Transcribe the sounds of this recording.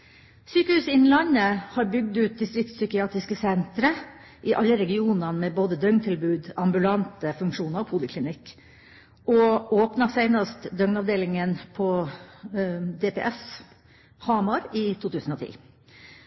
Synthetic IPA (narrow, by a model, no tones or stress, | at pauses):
syːkəhʉːsɪnn̩lɑnːəhɑɾbʏɡ̚d̪ʉːt̪̚d̪ɪst̪ɾɪk̚t̪sʏkɪɑːt̪ɾɪskəsɛnt̪ɾə | ʔɪʔɑlːəɾɛɡɪuːnɑmɛboːd̪əd̪œŋnt̪ʰɪlbʉːd̪ɑmbʉlɑnt̪əfʉŋkʂuːnɑɾɔpʰulɪkʰlɪnɪkː | ʔɔoːpnɑsæɪnɑst̪d̪œŋnɑʋd̪eːlɪŋənpʰɔ | d̪ɛpɛ̰ʔɛs | hɑːmɑɾɪt̪ʰuːt̪ʉːsən̩ɔt̪ʰḭː